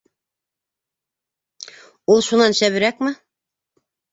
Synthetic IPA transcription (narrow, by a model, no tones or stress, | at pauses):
olˠʃunɑnʃæβiɾækmɪ